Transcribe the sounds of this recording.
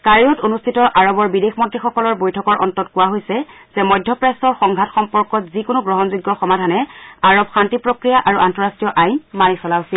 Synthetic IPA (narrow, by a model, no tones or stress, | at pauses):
kaɹijɔtonustʰitɔʔaɹɔbɔɹbidexmɔtɹixɔkɔlɔɹbojtʰɔkɔɹʔɔ̰ntɔtkʊwaɦojsɛ | z̥ɛmɔjdʱjɔpɹastɔɹxɔŋɡʱatxɔmpɔɹkɔtzikʊnʊɡɹɔɦɔnzuɡːɔxɔmadʱanɛaɹɔbxantipɹokɹijaʔaɹuʔantɔɹastijɔʔajnmanisɔlasi